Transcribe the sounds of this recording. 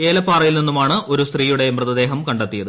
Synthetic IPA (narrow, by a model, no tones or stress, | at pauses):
e̞ːlɐpːaːrɐjilninːumaːɳɨʔo̞ɾust̪riːjuɽe̞mrɨðɐd̪e̞ːɦɐmkɐɳɖɐt̪ːijɐðɨ